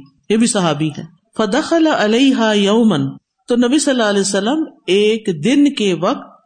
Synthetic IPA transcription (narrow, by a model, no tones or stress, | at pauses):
jebʱisɐɦaːbiɦɛː | fɐd̪ɐxɐlaʔɪleɪɦaːjɐːmən | t̪onɐbisɐlːaːɐlɛːsɐlːəmeːkd̪ɪnkeʋɐk̚t̪̚